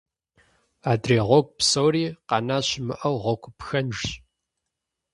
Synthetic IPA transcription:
aːdreːʁʷɔk̚ʷʼpsoːriːqɑnaːɕmɨʔɐwʁɔkʷʰpxɐnʒɕ

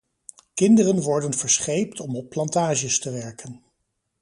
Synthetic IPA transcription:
kɪndərənʋɔɹdənv̥əɹsχejptɔmɔpːlɑntaːʒəstəʋɛɹkən

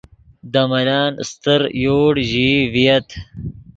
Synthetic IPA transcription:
d̪ɐmɐlaːnst̪əɾjoːɽʑivijɐt̪

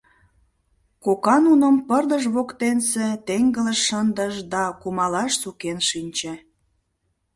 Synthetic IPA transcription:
kokɑnunəmpərd̪əʃβokt̪enset̪eŋɡələʃːənd̪əʃd̪ɑkumɑlɑʃsukenʃinʲt͡ɕĕ

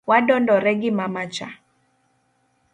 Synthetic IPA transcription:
wadɔndɔɾɛɡɪmamat͡ʃa̰

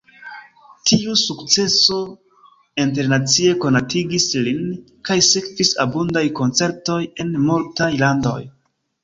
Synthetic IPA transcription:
tʰiusukt͡se̞so̞ | int̬e̞ɾnat͡sie̞ko̞natiɡislin | kajsekvisa̰bundajko̞nt͡se̞ɾto̞je̞nmultajlando̞̰j

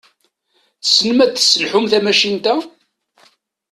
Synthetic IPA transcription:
θsnəmæt̪ːsːəlħʊmθæmæʃint̪æ

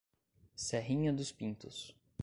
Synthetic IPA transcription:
sɛɦĩɲɐd̪ʊspĩnt̪ʊs

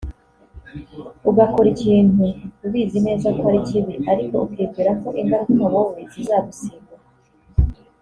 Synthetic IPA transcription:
uɡako̞ɾiciːnhuuβiːzine̞ːzakoaɾiciβiʔaɾiko̞̰ʔukiːɡɡiɾako̞ʔiŋɡaɾukunoβoːβizizaːɡusiːɡa

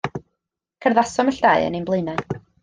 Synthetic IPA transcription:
kʰərðasɔməɬd̥aɨə̰nimblˠeɨna

